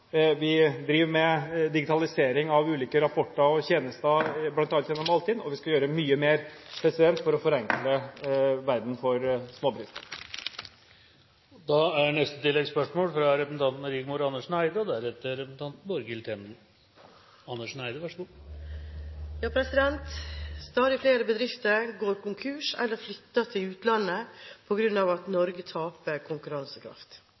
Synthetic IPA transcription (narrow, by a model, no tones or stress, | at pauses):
ʋɪd̪ɾiːʋmɛd̪ɪɡɪt̪ɑlɪseːɾɪŋɑʋʉːliːkəɾɑpʰɔʈːəɔçeːnəst̪ɑblɑnt̪ɑːlt̪jɛnːɔmɑlt̪ɪːd̪ɔ̰ʋɪskɑjøːɾəmyːəmeːɾpʰɾɛsɪd̪ɛnt̪fɔɾɔfɔɾɑŋkləʋæɾd̪n̩fɔɾsmoːbɾɪst̪ | d̪ɑæɳɛst̪ət̪ʰɪlːɛɡspœʂmoːlfɾɑɾɛpəsn̩ɑnt̪nəɾɪɡmuːɾɑnːəʂɳæɪd̪əɔd̪ææɾɛt̪ːəɾɛpəsn̩t̪ɑnt̪n̩bɔɾɡɪlt̪ʰɛn̩ | ɑnːəʂnæɪd̪əʋæʂəɡuː | jɑːpʰɾɛsɪd̪ɛnt̪st̪ɑːd̪ɪfleːɾəbəd̪ɾɪft̪əɾɡoːɾkʊŋkʰʉːʂɛ̰lːəɾflʏt̪ːət̪ʰɪlʉːt̪lɑnːəpʰɔɡɾʉnɑʋɑt̪nɔɾɡət̪ʰɑːpəɾkʰʊŋkʉɾɑnsəkʰɾɑ̰ft̪